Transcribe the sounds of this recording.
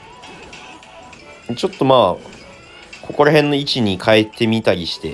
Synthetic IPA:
t͡ɕo̞t̪ːo̞maː | kʰo̞ko̞ɾaɦẽ̞nːo̞it͡ɕiɲ̟ikʰae̞t̪ːe̞mʲit̪aɾʲiɕi̥t̪e̞

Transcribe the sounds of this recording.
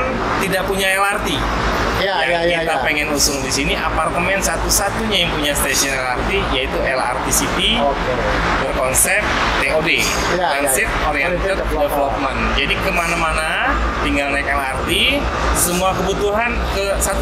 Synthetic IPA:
n | t̪idaʔpuɲaɛlart̪i | jakat̪apeŋɛnlusʊŋdisiniʔapart̪əmɛnsat̪usat̪uɲajaŋpuɲast̪esɔnɛlart̪ijait̪uʔɛla̰rt̪isit̪i | bərkɔnsɛp̚ | t̪eode | ansɪt̪̚oɾiat̪ɔt | dəfəlɔt̪̚mand͡ʒadikəmanamana | t̪iŋɡalnakɛlart̪i | səmuakəbut̪uɦankəsat̪

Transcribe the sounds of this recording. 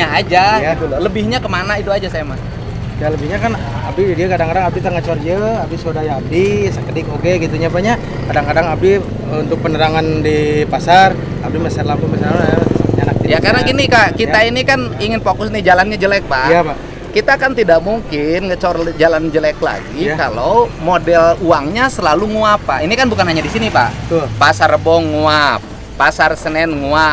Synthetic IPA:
aːd͡ʒajad̪ululəbɪhɲakəmanaiduad͡ʒasajaman | aləbɪhɲakan | abɪdidiakadaŋkadaŋabdit̪aŋət͡ʃɔrd͡ʒəabɪsodajaːb̚disəkədɪkokeɡit̪uɲabaɲa | kadaŋkadaŋap̚di | unt̪ʊk̚pənəɾaŋandipasar | abɪmasarlambuŋmasalaanak̚t̪ijakaɾnaɡinikakiainikaniŋɪnfokʊsnid͡ʒalanɲad͡ʒəlɛk̚pajapa | kit̪aːkant̪idaʔmuŋkɪnŋət͡ʃorld͡ʒaland͡ʒəlɛkla̰ɡikalomodɛluaŋɲasəlaluŋuapːaʔinikanbukanhaɲadisinipa̰ht̪ʊlpasarbɔŋuap̚ː | asarsənɛnŋua

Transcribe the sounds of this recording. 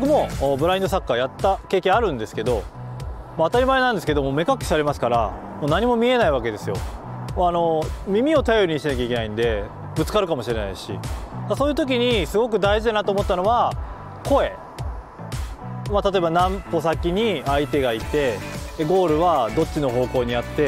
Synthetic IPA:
bbokɯ̟mo̞bɯ̟ɾaĩnd̪osakːajat̪ːake̞ːkẽ̞ɰ̃aɾɯ̟̃nd̪e̞sɨ̥ke̞d̪o̞ | maːt̪aɾʲimaenãnd̪esɨ̥ke̞d̪o̞moːme̞kakʲːi̥saɾe̞masɨ̥kaɾa̰ | moːnaɲ̟imo̞mʲie̞naiβak̬e̞d̪e̞sɨjo̞̰ | ano̞mʲimʲio̞t̪ajo̞ɾiɲ̟iɕt̪enakʲaike̞naĩnd̪e̞ | bɯ̟t͡sɨ̥kaɾɯ̟kamo̞ɕiɾe̞na̰iɕḭd̪asoːjɯt̪o̞k̬ʲiɲ̟isɨɡo̞k̬ɯ̟d̪aiʑid̪anat̪oːmo̞t̪ːano̞βa | ko̞e̞ | mat̪at̪o̞e̞banãmpo̞sakʲiɲ̟iait̪e̞ɡait̪e̞ːɡo̞ːɾɯ̟βad̪o̞t͡ɕːɕino̞ɦo̞ːko̞ːɲ̟iat̪ːe̞

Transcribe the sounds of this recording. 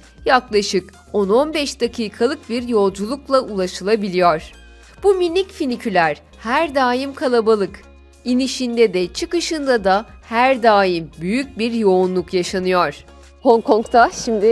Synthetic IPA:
jaklˠaʃɯk | ono̞nbɛʃd̪̥akʰiːkʰalˠɯk̚biɾjo̞lˠd͡ʒulˠuklˠaʔulˠaʃɯlˠabilʲijɔɾ̥ | b̥uminʲːicfinicʰylʲæɾ̥ | hæɾd̪aːjimkʰalˠabalˠɯk | iniʃind̪ɛd̪ɛt͡ʃʰɯkɯʃɯnd̪ad̪ahæɾd̪aːjimbyjyc̚biɾjo̞unlˠukjaʃanɯjɔɾ̥ | hoŋkʰɔŋkt̪ʰaʃimd̪ɪ

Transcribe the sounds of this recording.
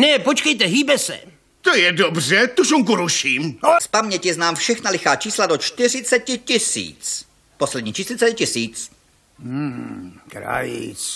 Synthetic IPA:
nɛpot͡ʃkɛjt̪ɛɦiːbɛsɛ̰ | t̪ojɛdobrɛt̪uʃuŋk̬uɾuʃiːmspamɲɛcɪɛznaːmfʃɛxnalɪxaːt͡ʃiːsladot͡ʃt̪ɪr̝ɪt͡sɛcɪcɪsḭːt͡s | poslɛd̪ɲiːt͡ʃiːslɪt͡sɛɪcɪsiːt͡s̩ː | kɾa̰jɪ̰t͡s

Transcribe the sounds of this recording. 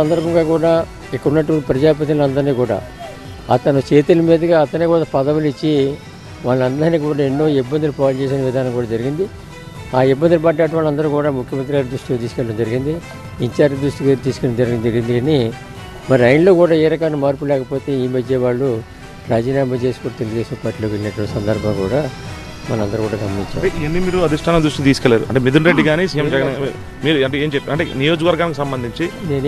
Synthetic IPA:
ɐnd̪ɐɾɐbʱɐŋɡaːkuːɽaː | ikːɐɾunːɐʈ̬ːɐʋɐɳʈipɾɐd͡ʒaːp̬ɐt̪̬ilɐnd̪ɐɾniːkuːɽa̰ː | ɐ̰t̪ɐnɐt͡ʃe̞ːt̪ulɐmiːd̪ɐɡaːɐt̪ɐnːiːkuːɽaːpɐd̪ɐʋulit͡ʃːi | ʋaːɭːɐnd̪ɐɾniːkuːɽaːenːo̞ːibːɐnd̪ulupaːt͡ʃeːseːnɐʋid̪ʱaːnɐŋkuːɽaːd͡ʒɐɾiɡind̪i | aːibːɐnd̪ulupaːʈːaːɐʈɐʋaːɭːɐnd̪ɐɾuːkuːɽaːmukʰjɐmɐnt̪ɾiɡaːɾd̪ɾuʂʈiaːt̪iːsu̥kɛːɭɐɽɐmd͡ʒɐɾiɡind̪i | iɲt͡ʃaːɾd͡ʒid̪ɾuʂʈiɡt̪iːsu̥kɛːɐmd͡ʒɐɾind̪d͡ʒɐɾɡind̪ikɐni | mɐɾɐjnlo̞ːkuːɽaːeːɾɐkɐnumaːɾup̬ulɛːkɐpo̞ːt̪e̞ːiːmɐd͡ʒːeːʋaːɭːu | ɾaːd͡ʒiːnaːmɐt͡ʃe̞ːsi̥kuːɽat̪e̞luɡud̪e̞ːsɐmpaːɾʈiːloːkiinɐʈːʋɐɳʈːsɐnd̪ɐɾbʱɐŋɐkuːɽaː | mɐnɐmɐnd̪ɐɾukuːɽaːɡɐmːiɲt͡ʃːa̰ɐeiɐnːimiːɾuɐd̪ʱiʂʈʰaːnɐmd̪ɾuʂʈit̪̬iːsukɛlːaːɾṵʔɐ̰ɳʈeːmid̪unɾeɖːiɡaːnisijemd͡ʒɛɡɐn | miːɾuɐɳʈeeːmt͡ʃepːɐɳʈenijoːd͡ʒɐkɐʋɐɾɡaːnikusɐmbɐnd̪iɲt͡ʃineːn

